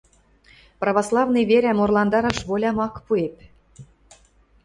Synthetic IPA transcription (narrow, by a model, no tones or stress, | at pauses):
prɑβɑslˠɑvneβeɾʲæmorlˠɑnd̪ɑɾɑʃβolʲɑmɑkpuep